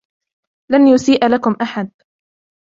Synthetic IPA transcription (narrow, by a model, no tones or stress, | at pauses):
lanjʊsiːʔlakʊmʔaħad̪̚